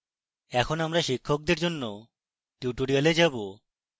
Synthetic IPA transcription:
ɛkʰonamɾaʃikʰːok̚d̪eɾd͡ʑonːo | ʈjuʈoɾialed͡ʑabo

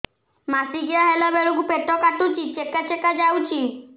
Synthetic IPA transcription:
masiɡijaɦɛlabɛɾuɡupeʈɔkaʈut͡ʃit͡ʃekːat͡ʃekad͡ʒawt͡ʃi

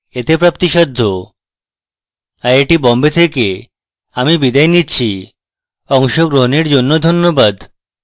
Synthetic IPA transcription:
et̪epɾap̚t̪iʃad̪ʱːo | aɾeʈibɔmbet̪ʰeke | amibid̪ajnitːɕʰi | ɔŋʃoɡɾoɦoniɾd͡ʑonːod̪ʱonːobad̪

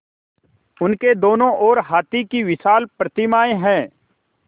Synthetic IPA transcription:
ʊnked̪oːnõʔɔːɾɦaːt̪ikiʋɪsaːlpɾət̪ɪmaːeɦɛ̃ː

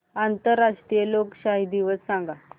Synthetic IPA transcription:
ant̪əɾaʂʈɾijelokɕaɦid̪iʋəssãŋɡa

